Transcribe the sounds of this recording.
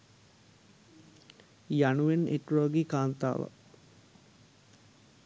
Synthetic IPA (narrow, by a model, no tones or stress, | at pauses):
januʋenʔḛʈuɾoːɡikaːnt̪a̰ːʋə̰